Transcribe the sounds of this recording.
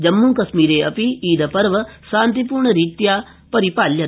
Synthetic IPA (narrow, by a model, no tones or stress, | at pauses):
d͡ʒɐmːuŋkɐsmiːɾeːɐpiiːd̪ɐpɐɾʋɐsãːnt̪ipuːɾɳɐɾiːt̪jaː | pɐɾipaːljɐ